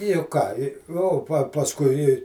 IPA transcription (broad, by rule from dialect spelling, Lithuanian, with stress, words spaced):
jʊk ˈkɑː ɪ oː pɐ pɐsˈkʊɪ ɪ